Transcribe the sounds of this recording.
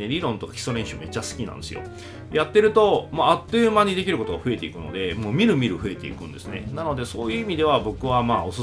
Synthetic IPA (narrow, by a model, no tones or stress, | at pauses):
eɾʲiɾõ̞nt̪o̞kḁçʲi̥so̞ɾẽɕɯme̞t͡ɕːasɨ̥kʲinã̰nd̪esɨjo̰ | jat̪ːe̞ɾɯ̟t̪o̞maat̪ːeɯmaɲ̟id̪e̞kʲiɾɯ̟ko̞t̪oɡaɸɯ̟e̞t̪e̞ikɯ̟no̞̰d̪e̞moːmʲiɾɯ̟mʲiɾɯ̟ɸɯ̟e̞t̪e̞ḭkɯ̟̃nd̪e̞sɨne̞̰nano̞d̪e̞soːjɯ̟ːimʲid̪e̞βabo̞kɯ̟βamaːo̞s